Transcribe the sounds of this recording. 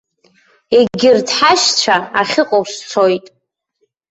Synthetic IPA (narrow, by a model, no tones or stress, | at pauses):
eɡʲɪrtʰħaʃt͡ɕʷʰaaχʲɪqʼowst͡sʰojtʼ